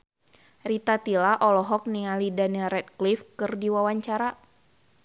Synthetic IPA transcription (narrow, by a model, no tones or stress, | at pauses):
rit̪at̪ilaʔɔlɔɦɔk̚niŋalidaniɾɛt̪̚klifkɨrdiwawaɲt͡ʃaɾa